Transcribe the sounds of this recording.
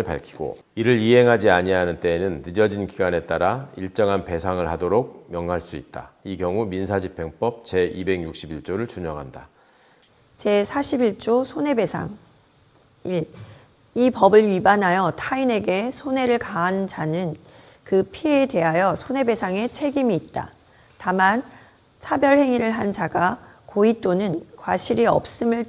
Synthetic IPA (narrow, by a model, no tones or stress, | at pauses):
ɭpa̰ɭkʰi̥ɡ̥o̰ | iɾɯɾiɦe̞ŋɦad͡ʑiaɲiaɦanɯnt͈e̞ːnɯnːɯd͡ʑʌd͡ʑinkiɡane̞t͈aɾaiɭt͡ɕ͈ʌŋɦanpe̞sʰaŋɯɭhadoɾok̚mjʌŋɦaɭs͈uit̚t͈a̰ikjʌŋuminsʰad͡ʑipʰːe̞ŋp͈ʌp̚t͡ɕe̞ibe̞ɡjuk̚ɕ͈ibiɭt͡ɕ͈oɾɯɭt͡ɕuɲʌŋɦanda | t͡ɕe̞sʰaɕʰibiɭt͡ɕ͈osʰone̞be̞sʰa̰ŋ | i | ipʌbɯɾɥibanɦajʌtʰaine̞ɡe̞sʰone̞ɾɯɭkaɦːnd͡ʑanɯn | kɯpʰie̞de̞ɦajʌsʰone̞be̞sʰaŋe̞t͡ɕʰe̞ɡimiːt̚t͈a̰ | taman | t͡ɕʰabjʌɭhe̞ŋiɾɯɭɦand͡ʑaɡa | koit͈onɯnkwaɕʰiɾiʌ̰p̚s͈ɯmɯɭ